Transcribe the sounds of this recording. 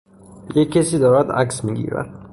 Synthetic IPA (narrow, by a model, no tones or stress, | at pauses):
jekʰːesiːd̪ɒːɾæd̪æ̰ksmiːɡḭːɾæ̰d̪̥